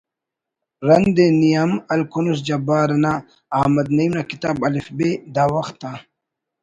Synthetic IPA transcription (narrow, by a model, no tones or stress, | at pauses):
ɾɐnd̪enijɐmɐlkunus̬d͡ʑɐbaːɾɐnaː | hmɐd̪nɐimnakit̪aːbɐlifbed̪aːwɐxt̪ːa